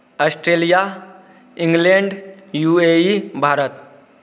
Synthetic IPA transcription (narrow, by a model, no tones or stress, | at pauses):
əsʈɾelija | ĩŋɡleɳɖjueibʱaɾət̪